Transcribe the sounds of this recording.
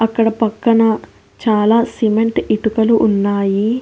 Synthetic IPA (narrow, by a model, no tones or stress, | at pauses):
ɐkːɐɽɐpɐkːɐnɐ | t͡ʃaːlaːsimeɳʈiʈukɐluʔːnːaːji